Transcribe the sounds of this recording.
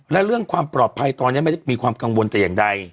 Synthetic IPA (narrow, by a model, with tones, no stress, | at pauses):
lɛ˦˥ɾɯ˥˩əŋkʰwaː˧mpɾɔː˨˩t̪̚pʰa˧jt̪ɔː˧ni˦˥˨ma˥˩t͡ɕmiː˧kʰwaː˧mka˧ŋwo˧nt̪ɛ˨˩jaː˨˩ŋda˧j